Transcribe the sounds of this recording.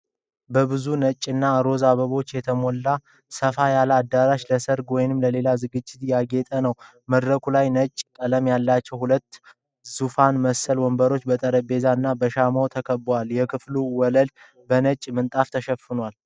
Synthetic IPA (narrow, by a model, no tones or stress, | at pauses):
bəβɨzunət͡ʃʼːɨnːaɾo̞zaβəβo̞t͡ʃːjɛt̪ʰəmolːa | səfajalad̪ːaɾaʃləsəɾɡwɔjnɨmləle̞lazɨɡɨd͡ʒːɪt̪jaɡet̪ʼənəw | məd̪ɾəkʰulajnət͡ʃʼːkʼələmjalːat͡ʃːɛwhulət̪ː | zufanməsːəlwɔmbəɾo̞t͡ʃːbət̪ʼəɾəbe̞zaɨnːabəʃamawt̪ʰəkʰəbːwaljɛkʰɨfluwɔləl | bənət͡ʃʼːmɨnt̪ʼaft̪ʰəʃəfɨnwal